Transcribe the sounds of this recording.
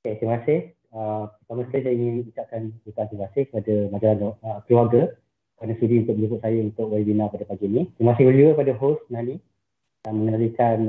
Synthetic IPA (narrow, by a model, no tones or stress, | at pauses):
ket̪imasɪh | əpərt̪amasəkajisajəiŋɪnit͡ʃaʔ̚kankut̪uant̪imasɪhkəpadəmad͡ʒalanəp̪iwaɡə | kanasudiunt̪ʊkʔ̚əlukʊt̪̚sajəunt̪ʊkwaibinapadəpaɡinĩt̪imasɪhbərliukəpadəɦosnani | aməŋənaɾikan